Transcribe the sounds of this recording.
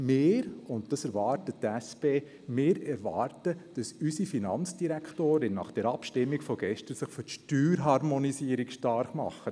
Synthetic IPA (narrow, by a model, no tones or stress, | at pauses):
mɪːɾʊntd̥ɑsɛɾʋɑːɾtəttɛspeː | mɪːɾɛɾʋɑːɾtəd̥ɑsysifinɑnt͡sd̥iɾɛkʰtoːɾɪnnɑ̰ːχd̥ɛɾɑpʃtɪmːikfɔɡ̥ɛʃtəsɪχføtʃtyːɾɦɑɾmɔnisiəɾikʃtɑɾχmɑ̰χːə